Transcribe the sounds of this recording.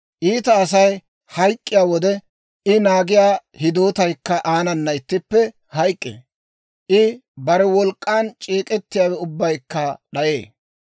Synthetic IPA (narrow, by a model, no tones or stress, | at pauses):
ʔiːt̪ɐːs̬ɐj | hɐjkʼːɪjaːwɔd̪ɛ | ɪnaːɡɪjaːhɪd̪oːt̪ɐjkːɐʔaːnɐnːɐɪt̪ːɪpːɛ | hɐjkʼːḛː | ʔɪbɐɾɛwɔlkʼːaːnt͡ʃʼiːkʼɛt̪ːɪjaːwɛʊbːɐjkːɐɗɐjeː